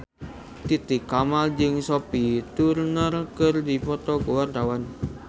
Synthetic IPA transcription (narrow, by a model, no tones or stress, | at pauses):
t̪it̪ɪkːamald͡ʒɪŋsopit̪urnərkərdipɔt̪ɔɡowart̪awan